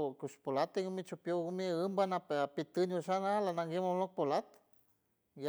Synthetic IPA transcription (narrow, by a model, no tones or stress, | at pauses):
kuʃpolat̪eɡumit͡ʃupjoɡumiɨmbanapeapit̪ɨnuʃanalanaŋɡemolok̚polat̪ | ja